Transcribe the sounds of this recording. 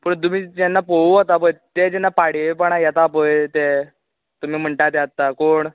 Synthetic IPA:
pəɳt̪̬um̤iːd͡ʑɛnːapouɦot̪apət̪ed͡ʑɛnːapaɽepəɳajat̪aːpəjt̪e | t̪um̤iːm̤əɳʈat̪ɛat̪ːakoːɳ

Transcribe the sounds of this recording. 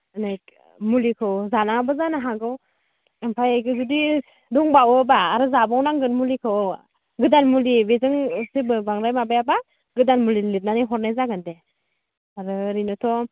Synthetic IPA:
najk̚ | mulikʰɯwzanabɯzanaɦaɡɯw | ɯmpʰajajɡɯzudi | duŋbawɯbaːɾɯzabawnaŋɡɯnmulikʰɯw | ɡɯdanmulibezɯŋsebɯbaŋɾajmabajaba | ɡɯdanmulilit̚naniɦɔɾnajzaɡɯnde | aɾɯɾinɯtʰɔ

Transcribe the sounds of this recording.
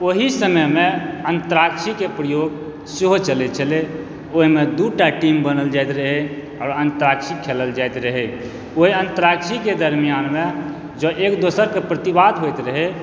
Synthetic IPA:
oɦisəməmeənt̪əɾakʃʰikepɾəjoɡ | siɦot͡ʃəlet͡ʃʰəle | oɦimed̪uʈaʈimbənəld͡ʒajt̪ɾəɦe | aːɾənt̪əɾakʃʰikʰeləld͡ʒajt̪ɾəɦe | oɦiənt̪əɾakʃʰiked̪əɾmijanme | d͡ʒəʔekd̪osəɾkepɾət̪ibad̪ɦojt̪ɾəɦe

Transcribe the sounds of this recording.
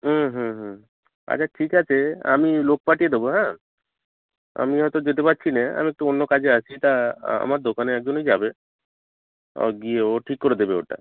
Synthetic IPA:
ɦuɦũɦ̩ | a̰t͡ɕʰaʈʰikat͡ʃʰea̰milok̚paʈijed̪eboɦɛ̃ | a̰miɦɔjt̪od͡ʒet̪epatːɕʰinɛa̰miek̚ʈuonːokad͡ʑeasʰit̪aa̰maɾd̪okaneɛk̚d͡ʑonɦojd͡ʑabe | ɔ̰ɡieoʈʰikːoɾed̪ebeo̰ʈa̰

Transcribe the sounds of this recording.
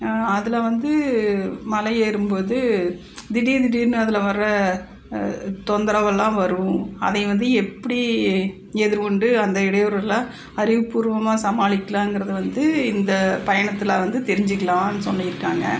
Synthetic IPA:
ɐðɪlɐʋɐnd̪ɯ | mɐlɐjeːɾɯmpoːðɯ | d̪ɪɽid̪ɪɽiːɾnɯɐðɪlɐʋɐɾɾɐ | t̪ɔnd̪ɐɾɐʋɐlːãːʋɐɾɯʋʊ̃ɐ̰ðɐɪʋɐnd̪ɯɛpːɐɽi | ɛðɪɾkɔɳɖɯɐnd̪ɐɪɽɐjɔɾlːãː | ɐɾɪʋɯpːuːɾʋɐmaːsɐmaːɭɪkːɐlãːɛŋɡɪɾɐðɯʋɐnd̪ɯɪnd̪ɐpɐjɐɳɐt̪ːɯlɐʋɐnd̪ɯt̪ɛɾɪɲd͡ʒɯkːɐɭãːɪnːɯsɔnːɐjɪɾɯkːaːŋɡɐ̰

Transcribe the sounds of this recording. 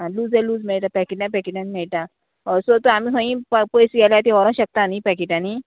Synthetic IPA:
ɦãluːd͡zɛluːd͡zmɛɭʈ̪apɛkiʈnãpɛkiʈanimɛɭʈ̪a | ɔɾsot̪oamiɦə̃jĩppojsɡɛljat̪iʋɔɾɔ̃ɕək̚t̪anipɛkiʈani

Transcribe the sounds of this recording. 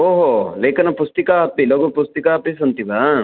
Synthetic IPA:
oːɦoleːkɐnɐpust̪ikaɐpiloːɡopust̪ikaːɐpis̬ɐnt̪iba

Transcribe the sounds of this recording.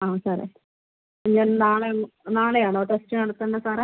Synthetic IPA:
aːmsaːɾa̰ | ɲaːnnaːɭenaːɭejaːɳoʈestɐnɐɽut̪ːɐɳɖɐsaːɾaː

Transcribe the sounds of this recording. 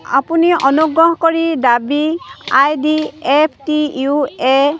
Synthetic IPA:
a̰puniʔɔnuɡɹɔɦkɔɹidabiajdiepʰtiue

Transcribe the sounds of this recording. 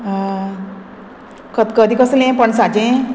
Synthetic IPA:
kəd̪kəd̪ʱikəslẽpəɳsat͡ɕẽ

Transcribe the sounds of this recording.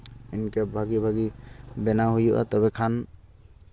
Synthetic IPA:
inkɛbʱaɡibʱaɡibɛnaɦujuʔa̰t̪ɔbɛkʰan

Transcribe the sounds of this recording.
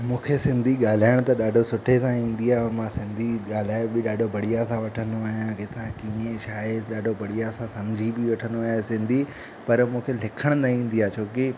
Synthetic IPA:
mũːkʰesɪ̃nd̪ʱiɠaːl̤aːɪɽ̃t̪ɐɗaːɖʱosʊʈʰesãĩːn̆d̪iaːmãsɪ̃nd̪ʱiɠaːl̤aːebɪɗaːɖʱobʱɐɽijasãʋɐʈʰənd̪oaːɦijãket̪ãkiːẽʃaːeɗaːɖʱobʱɐɽijasãsɐmd͡ʑʱibɪʋɐʈʰənd̪oaːɦesɪ̃nd̪ʱi | pɐɾmũːkʰelɪkʰəɽ̃nɐĩːn̆d̪ijaːt͡ɕʰoːkɪ

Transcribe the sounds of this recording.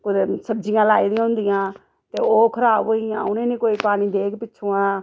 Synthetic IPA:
kʊsəbd͡ʒɪjãːlaːiːd̪ĩãɦʊ̃nd̪ɪjãː | t̪eːoːkʰəɾaːbɦoːɪjã̰ːʊnẽːnĩːkoːiːpaːniːd̪eːkʰpɪt͡ʃʰoːãː

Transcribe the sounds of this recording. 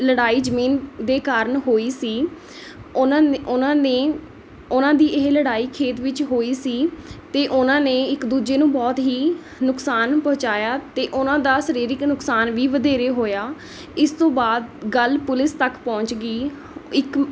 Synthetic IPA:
ləɽaːiːd͡ʒəmiːnd̪eːkaːɾəɳɦoːiːsiː | aʊnãːneː | ʊnãːd̪iːʔɪɦləɽaːiːkʰeːt̪ʋɪt͡ʃɦoːiːsiːt̪eːʔʊnãːneːɪkd̪uːd͡ʒeːnũːbɔːt̪ɦiː | nʊksaːnpə̃ːʊ̃t͡ʃaːjaːt̪eːʔʊnãːd̪aːsəɾiːɾɪknʊksaːnʋiːʋəd̪eːɾeːɦoːjaː | ɪst̪õːbaːd̪ɡəlpʊlɪst̪əkpɔ̃ːɲt͡ʃɡiː | ɪk

